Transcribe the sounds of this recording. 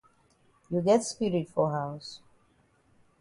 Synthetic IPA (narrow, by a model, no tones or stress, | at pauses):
juɡɛtspiɾitfɔɦaʊs